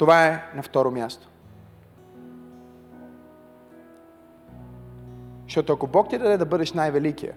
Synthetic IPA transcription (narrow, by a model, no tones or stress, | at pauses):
t̪ovaɛnɐft̪ɔɾomʲjast̪o̥ | ʃt̪ɔt̪oɐkobɔk̚t̪ʲid̪ɐd̪ɛd̪ɐbɤd̪ɛʃnajvɛlikijə̰